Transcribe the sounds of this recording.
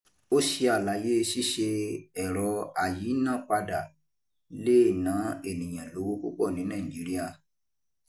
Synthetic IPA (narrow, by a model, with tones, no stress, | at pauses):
o˦ʃi˧a˨la˨˦je˦˧si˦ʃe˧ɛ˨ɾɔ˧a˨ji˨˦nã˦˨k͡pa˧da˨ | le˦˨nã˨˦e˦˨nĩ˨j̃ã˨lo˨˦wo˦kṵ˦k͡pɔ˦˨nĩ˨˦nã˦˨i˨d͡ʒi˨˦ɾi˦a˧